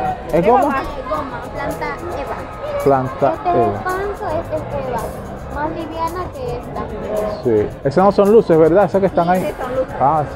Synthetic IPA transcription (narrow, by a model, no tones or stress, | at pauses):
eɡomoeɡomaplant̪a | eβa | plant̪at̪eeβa̰pant̪oeseseβa | masliβjanakeest̪a | siesenosonlusesβeɾðaesakest̪aŋaia